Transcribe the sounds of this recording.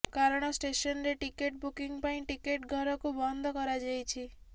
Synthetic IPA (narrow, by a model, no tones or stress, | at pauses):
kaɾɔɽ̃ɔsʈesɔnɾeʈikeʈ̚bukiŋpaĩʈikeʈɡʱɔɾɔkubɔnd̪ʱɔkɔɾad͡ʒajt͡ʃʰi